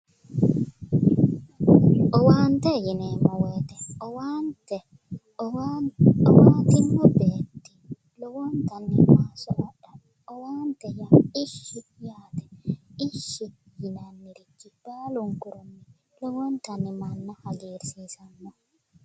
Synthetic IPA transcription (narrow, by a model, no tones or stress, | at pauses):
ʔɔwaːnt̪ɛjɪneːmɐweːt̪ɛɔwant̪ɛ | ɔwaːt̪ɪmːɔbeːt̪ːɪ̥ | lɔwɔnt̪ɐnːɛmaːsɔʔɐᶑɐ | ɔwaːnt̪ɛjaɪʃːɪjaːt̪ɛ̥ɪʃːɪjɪnɐnːɪɾɪkːɪb̥aːlʊŋkʊɾɔnːɛ | lɔwɔnt̪ɐnːɛmɐnːɐhɐd͡ʒiːɾsiːsɐnːɔ